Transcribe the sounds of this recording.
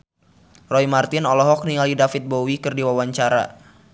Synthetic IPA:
rɔimart̪ɪnɔlɔɦɔk̚niŋalidafit̪̚bowikɨrdiwawaɲt͡ʃaɾa̰

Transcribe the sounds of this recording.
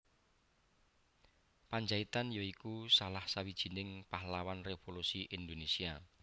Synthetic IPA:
paɲd͡ʒait̪anjoikusalahsawid̥ʒ̥i̤nɪŋpahlawanrefolusiʔind̪onesia

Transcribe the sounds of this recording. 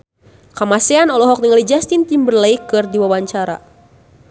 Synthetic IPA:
kamasɛanɔlɔɦɔk̚niŋalid͡ʒast̪int̪imbərlejkɨrdiwawaɲt͡ʃaɾa̰

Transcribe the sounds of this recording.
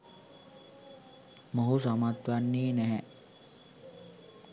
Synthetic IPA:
moɦusamat̪ʋanːiːnɛɦɛ

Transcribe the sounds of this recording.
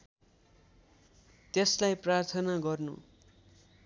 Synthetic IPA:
t̪eslajprart̪ʰʌnaɡʌrnṵ

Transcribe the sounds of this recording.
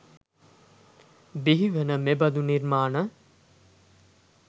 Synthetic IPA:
biɦiʋənəmebɐd̪uniɾmaːnə

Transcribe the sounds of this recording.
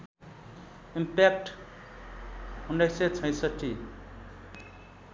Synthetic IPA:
impek̚ʈ | hunɖʌset͡sʰʌ̃j̃sʌʈʰːi

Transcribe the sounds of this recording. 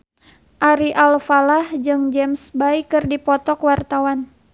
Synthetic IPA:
ʔaɾiʔalfalahd͡ʒɨŋd͡ʒɛmsbaikɨrdipɔt̪ɔkwart̪awan

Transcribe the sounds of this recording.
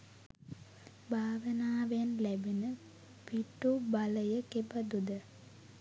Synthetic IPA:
bʱaːʋənaːʋejnlæbinə | piʈːubaləjəkebad̪ud̪ə

